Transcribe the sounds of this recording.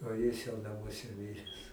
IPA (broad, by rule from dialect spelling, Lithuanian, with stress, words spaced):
oː ˈjɪs jɛʊ nɐˈmuɔsʲɛ ˈmʲɪrʲɛs